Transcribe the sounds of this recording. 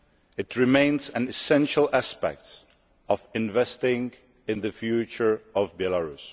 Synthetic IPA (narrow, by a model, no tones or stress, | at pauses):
ɨtʰɹɪmẽɪ̃nzæ̃nɨsɛ̃nʃəlæspɛ̰k̚t | ɔvɪ̃nvɛstɪ̃ŋ | ɪ̃nðɨfjʉt͡ʃə˞ɔvbɛlaɹus